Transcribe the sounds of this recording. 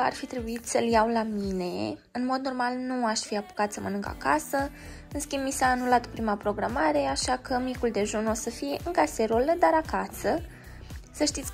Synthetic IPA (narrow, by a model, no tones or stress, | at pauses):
a̰rfit̪ɾe̞buit̪səljawlamine̞ɨnmo̞d̪̚no̞rmalnuaʃfiapo̥kat̪səmənɨŋka̰kasə | ɨnskʲimbmisaːnulat̪opɾimapɾo̞ɡɾamaɾe̞aʃakəmikuld̪e̞ʒunosəfije̞ʔɨŋkaseɾoləd̪aɾakasə | səʃt̪it̪s